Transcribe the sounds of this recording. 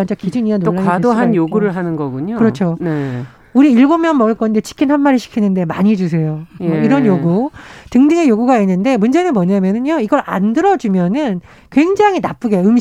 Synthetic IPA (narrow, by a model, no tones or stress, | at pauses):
and͡ʑʌkid͡ʑuɲianooɭːawaddoɦanjoɡuɾɯɭɦanɯnɡʌɡuɲokɯɾʌt͡ɕʰone | uɾiːɭɡomjʌnmʌɡɯɭk͈ʌinde̞t͡ɕʰi̥kʰinhanmaɾiɕʰi̥kʰinɯnde̞maɲid͡ʑus̬ʰe̞joiɾʌnjoɡutɯŋdɯŋejoɡuɡainːɯnde̞mund͡ʑe̞nɯnmwʌɲamjʌnɯnjoiɡʌɾa̰ndɯɾʌd͡ʑumjʌnɯn | kwe̞ŋd͡ʑaŋinap͈ɯɡejoɯm